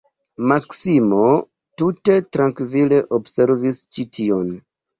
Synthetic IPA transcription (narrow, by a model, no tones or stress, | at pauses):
maksimo̞ | tute̞tɾaŋkvile̞ʔobse̞ɾvist͡ʃitʰio̞n